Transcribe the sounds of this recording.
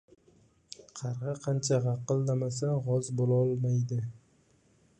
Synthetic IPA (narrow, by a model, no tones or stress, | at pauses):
qʰɑɾʁɨqʰɑnt͡ʃʰaʁɑqːɨlˠd̪amas̬aʁɒzbolɒlˠmajd̪ɪ